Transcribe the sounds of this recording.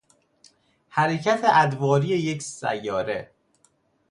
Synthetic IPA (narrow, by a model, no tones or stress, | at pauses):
hæɾecʰæt̪ʰeʔæd̪vɒːɾije̞jecʰsæ̰jːɒːɾe̞̰